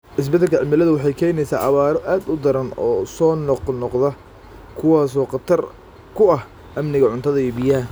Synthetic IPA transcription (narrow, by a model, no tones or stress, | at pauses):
ʔɪs̬bɐd̪ɐlkʰɐʕɪmɪlɐðʊwɑħɑjkʰɛːjnɛjsa̰ːʔɑβaːɾɔʔaːd̪ʊd̪ɐɾɐnɔːsɔːnɔqnɔqðɐ | kʰʊwɑːsɔːqɑt̪ʰɐr | kʰʊɐh | ʔɐmnɪɣɐʕʊnt̪ʰɐðɐijɔbɪjɐː